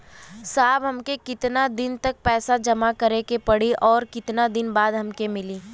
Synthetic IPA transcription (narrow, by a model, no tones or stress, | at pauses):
saːbɦɐmkekɪt̪nad̪ɪnt̪ɐk̚pɛːsad͡ʒɐmakɐɾekepɐɽiʔɔːɾkɪt̪nad̪ɪnbaːd̪ɦɐmkemɪliː